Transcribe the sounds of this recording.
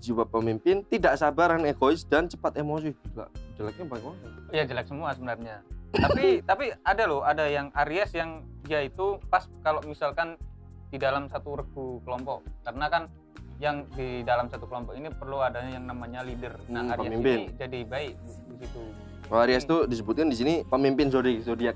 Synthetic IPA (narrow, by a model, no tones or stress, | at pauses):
d͡ʒiwapəmimpɪnt̪idaʔsabaɾaneɡoɪsdant͡ʃəpat̪emos̬iit̪ula̰ʔd͡ʒəlak̚ɲabalɛkmaajad͡ʒəlak̚səmuasəbənarɲat̪apiit̪apiadalʊadajaŋaɾiasjaŋjait̪upaskalomisalkan | didalamsat̪uɾəkukəlɔmpɔʔkarənakan | jaŋdidalamsat̪ukəlɔmpɔkinipərluadajaŋnamaɲalidərnaaɾpəamimpɪnd͡ʒadibaɪk̚di | isit̪u | aaɾiast̪udis̬əbʊt̪̚kandis̬inipəmimpɪns̬odiasodia